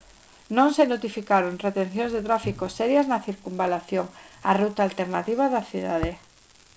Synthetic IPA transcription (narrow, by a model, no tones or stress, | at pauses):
nõŋsenot̪ifikaɾoŋret̪en̟θjõnzðet̪ɾafikosɛɾjaznaθiɾkumbalaθjoŋa̰rut̪alt̪eɾnat̪iβ̞aðaθiðaðe